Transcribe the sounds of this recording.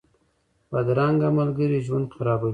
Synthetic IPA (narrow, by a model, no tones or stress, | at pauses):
bad̪ɾaŋɡamalɡəɾiʒwand̪xaɾɑbaw